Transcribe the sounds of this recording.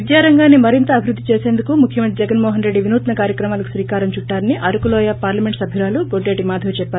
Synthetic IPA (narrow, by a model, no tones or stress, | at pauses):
id̪jaːɾɐŋɡaːnːimɐɾint̪ɐːbʱiɾud̪ːit͡ʃeːseːnd̪ukumukʰjɐmɐnt̪ɾid͡ʒɛɡɐnmɔːɦɐnɾeɖːiʋinuːt̪nɐkaːɾjɐkɾɐmaːlɐku̥sʋiːkaːɾɐmt͡ʃuʈːaːɾɐniʔɐɾukulɔːjapaːɾlɐme̞ɳʈsɐbʱiɾaːluɡoɖeʈimaːd̪ʱɐlt͡ʃɛpːaː